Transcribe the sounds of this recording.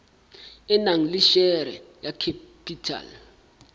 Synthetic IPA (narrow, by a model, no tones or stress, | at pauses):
ɛnaŋ̩liʃɛɾɛ̰jakʰepʰitʰa̰l